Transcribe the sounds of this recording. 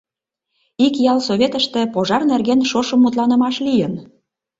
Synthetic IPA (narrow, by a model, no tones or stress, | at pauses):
ikjɑlsoβʲet̪əʃt̪ĕpoʒɑrnerɣenʃoʃəmːut̪lɑnə̆mɑʃlijən